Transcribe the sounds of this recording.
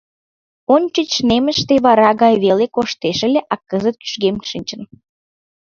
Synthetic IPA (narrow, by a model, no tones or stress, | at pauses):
onʲt͡ɕət͡ɕʃnemə̆ʃt̪eβɑɾɑɣɑjβelekoʃt̪eʃə̆lʲeʔɑkːəzət̪̚ky̥ʃɣemʃɨnʲt͡ɕən